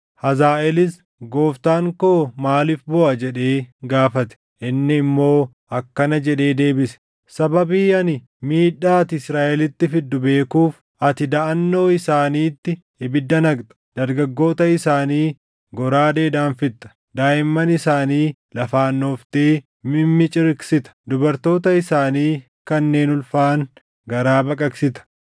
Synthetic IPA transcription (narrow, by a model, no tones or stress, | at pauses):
hɐzaːʔɛlɪs | ɡo̞ːft̪aːŋkoːmaːlɪfbɔʔɐd͡ʒɛᶑe̞ːɡaːfɐt̪ɛ̥ | ʔɪnːɪːmːo̞ː | ɐkːɐnɐd͡ʒɛᶑe̞ːd̪e̞ːbɪsɛ̥ | sɐbɐbiːɐnɪ | miːᶑaːt̪ɪɪsɾaːʔɛlɪt̪ːɪfɪd̪ːʊbe̞ːkuːf | ʔɐt̪ɪd̪ɐʔɐnːo̞ːɪsaːniːt̪ːɪ | ɪbɪd̪ːɐnɐɡt̪ɐ̥d̪̥ɐɾɡɐɡːo̞ːt̪ɐɪsaːniː | ɡɔɾaːd̪e̞ːd̪aːnfɪt̪ːɐ̥ | d̪aːjɪmːɐnɪsaːniː | lɐfaːnːo̞ːft̪eː | mɪmːɪt͡ʃʼɪɾksɪt̪ɐ̥d̪ʊbɐɾt̪o̞ːt̪ɐɪsaːniː | kɐnːe̞ːnʊlfaːŋ | ɡɐɾaːbɐkʼɐksɪt̪ɐ̥